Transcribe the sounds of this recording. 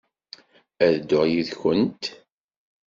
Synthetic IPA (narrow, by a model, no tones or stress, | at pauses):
æðd̪ʊʁjiðçənt̪